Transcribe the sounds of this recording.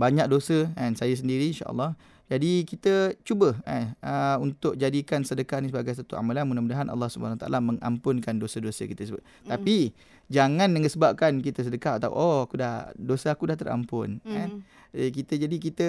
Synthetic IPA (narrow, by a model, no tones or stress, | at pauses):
baɲak̚dosəansajas̬əndiɾiinʃa̰ʔə̰lːɑh | d͡ʒadikit̪ət͡ʃubəa̰nəunt̪ʊk̚d͡ʒadikansədəkaʔnisəbaɡajs̬at̪ua̰malanmunamudaɦanʔɑ̰lːɑhsuba̰anawat̪aʔa̰laməŋa̰mpʊnkandosədosəkit̪əsəbʊ̰t̪̚ | t̪api | d͡ʒaŋãnmə̃ŋəsəbap̚kankit̪əs̬ədəkaʔat̪a̰ṵʔoakudahdosəakudaht̪əɾa̰mpʊ̰nan | kit̪əd͡ʒadikit̪ə